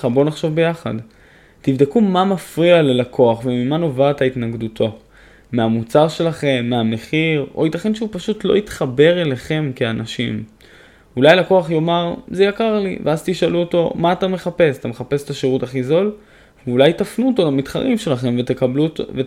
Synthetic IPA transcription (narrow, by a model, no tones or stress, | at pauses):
abo̞naχʃo̞vbe̞jaχa̰d | tivd̪ekumamafʁialelakʰo̞aχvemimano̞vat̪ait̪naɡd̪utʰo̞ | meamut͡saʁʃe̞laχe̞mːeame̞χiʁo̞̰jit̪aχe̞nʃeupaʃut̪lo̰it̪χabe̞ʁe̞le̞χe̞mkeanaʃim | ulajlako̞aχjo̞maʁzejakaʁlḭveazt̪iʃaluot̪o̞̰maːt̪ame̞χape̞satameχape̞se̥t̪aʃeʁutaχizo̞l | vulajtafnuoto̞lamit̪χa̰ʁimʃe̞laχe̞mvetbluve